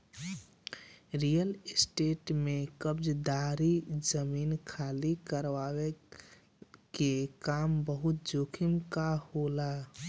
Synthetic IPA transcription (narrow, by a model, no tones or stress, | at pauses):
ɾijəlɪsʈeːʈmekəbd͡ʒd̪aɾizəmiːnkʰaːlikəɾʋawe | kekaːmbəɦʊt̪̚d͡ʒoːkʰɪmkahola